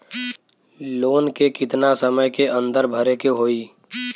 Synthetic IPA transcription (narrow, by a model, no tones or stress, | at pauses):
loːnkekɪt̪nasəməjkeʔə̃nd̪əɾbʱəɾekeɦoːiː